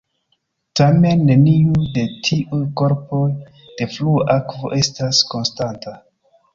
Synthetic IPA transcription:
tame̞nːe̞niude̞tʰiʔujko̞ɾpo̞j | d̥e̞fluakvo̞̰ʔe̞stasko̞nstanta

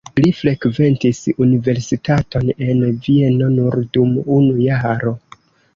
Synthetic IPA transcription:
lifɾe̞kve̞ntisunive̞ɾsitato̞ne̞nvie̞no̞nuɾdumunujaɾo̞

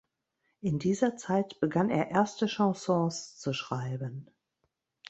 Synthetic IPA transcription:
ʔɪndiːzɐt͡saɪtb̥əɡanḛːɐʔeɐstəʃɑ̃sɔ̃ːst͡suʃʁ̥aɪbən

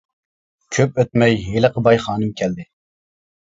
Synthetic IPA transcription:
kʲʰøp̚øt̪̚mɛjɦeləqʰəbɑjχɑːnɨmkʲʰɛld̪ɪ

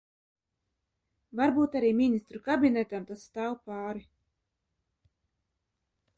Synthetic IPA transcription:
vaɾbuːt̪aɾiːmʲinʲist̪ɾukabʲinʲɛt̪amt̪asst̪aːwpaːɾi

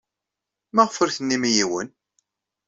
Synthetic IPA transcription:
mæʁəfəɾθənːimijiwən

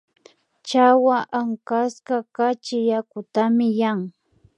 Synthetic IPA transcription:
t͡ʃawaʔaŋkaskakat͡ʃɪjakʊt̪amɪjaŋ

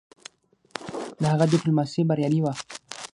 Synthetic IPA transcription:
d̪əhaɣad̪ɪplumasibaɾjɑniwa

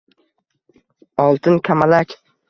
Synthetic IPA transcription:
ɒlˠt̪ʰɪnkʲʰamalakʲ

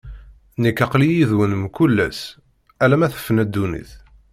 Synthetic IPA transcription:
nikːɑqlijiðwənmkulːæ̰s | ælæmæθə̥fːənæd̪ːunḭθ

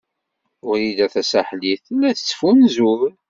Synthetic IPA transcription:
ʊɾid̪æθæsæħliθlːæθə̥t͡sːə̥funzuv

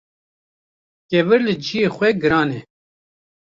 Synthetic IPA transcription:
kʲɛvɨɾlɨd͡ʒijeːxwɛɡɨɾɑːnɛ

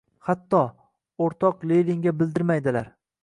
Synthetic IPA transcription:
hat̪ːɒ | oɾt̪ʰɒqleɾɪŋɡʲabɪld̪ɪɾmajd̪ɪlaɾ

